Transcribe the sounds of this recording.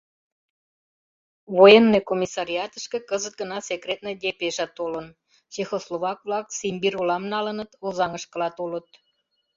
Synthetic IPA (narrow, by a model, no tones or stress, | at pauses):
βojenːekomʲisɑɾʲiɑt̪əʃkĕkəzət̪̚ɡə̆nɑsekret̪nəd̪ʲepeʒɑt̪olən | t͡ɕexosloβɑkβlɑksimbirolɑmnɑlənət̪ozɑŋəʃkə̆lɑt̪olət̪